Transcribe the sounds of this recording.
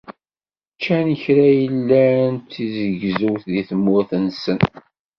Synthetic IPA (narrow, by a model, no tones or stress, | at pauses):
t͡ʃːænəçɾæjəlːænt̪ːizəʝzuwθðiθəmːʊɾθənsən